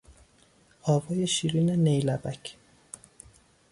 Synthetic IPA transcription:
ɒːvɒːje̞ʃiːɾiːnenejlæbæcʰ

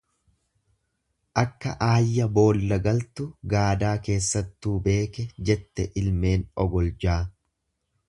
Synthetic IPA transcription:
ʔɐkːɐʔaːjːɐbo̞ːlːɐɡɐlt̪ʊɡaːd̪aːke̞ːsːɐt̪ːuːbe̞ːkɛd͡ʒɛt̪ːɛʔɪlme̞ːnɔɡɔld͡ʒaː

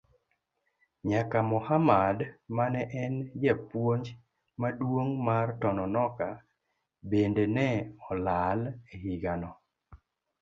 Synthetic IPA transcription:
ɲakamɔhamadmanɛʔɛnd͡ʒɛpwoɲd͡ʒ | madwoŋmartɔnɔnɔka | bendenɛɔlalehiɡanɔ

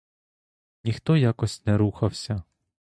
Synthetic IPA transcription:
nʲixt̪ɔjakɔsʲnɛɾuxɐwsʲɐ

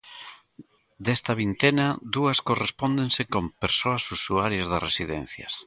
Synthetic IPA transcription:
d̪ɛst̪ɐβ̞int̪enɐd̪uɐskorespɔnd̪eŋsekompeɾsoɐsusuaɾjɐzðɐsresiðɛn̟θjɐ̰s

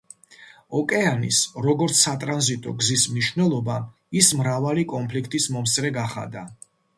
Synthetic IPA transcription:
ɔkʼɛanḭsɾɔɡɔɾt̪sʰːat̪ʼɾanzit̪ʼɔ̰ɡzismniʃvnɛlˠɔba | ismɾavalikʼɔnpʰlikʰt̪ʼismɔmsɾɛɡaχa̰d̪a

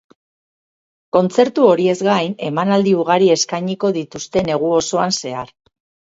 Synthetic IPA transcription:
ko̞nt͡se̞ɾt̪uo̞ɾie̞zɣɡajne̞manald̪iuɣaɾie̞skajɲiko̞ðit̪ust̪e̞ne̞ɣ̞uo̞so̞anse̞aɾ

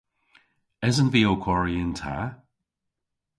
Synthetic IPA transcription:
ɛzənviokʰwɔɹiəntʰa̰

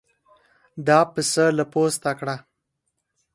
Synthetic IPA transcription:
d̪ɑpəsəlapost̪akɽa

